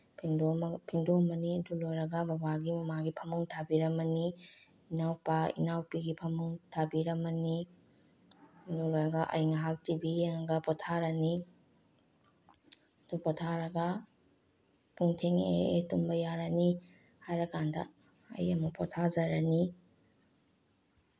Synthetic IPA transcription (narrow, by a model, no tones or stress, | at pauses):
pʰiŋdompʰiŋdomɐniɐdulojɾɐɡɐbɐbaɡimɐmaɡipʰɐmuŋtʰabiɾɐmɐni | inawpaḭnawpiɡipʰɐmuŋtʰabiɾɐmɐni | indulojɾɐɡɐʔɐ̰jŋɐɦak̚tibieŋɡɐpɔtʰaɾɐni | dupɔtʰaɾɐɡɐ | pʰuŋtʰeŋḛːtumbɐjaɾani | hajɾɐkandɐ̰ | ɐ̰jɐmɐpʰɔtʰazɐɾani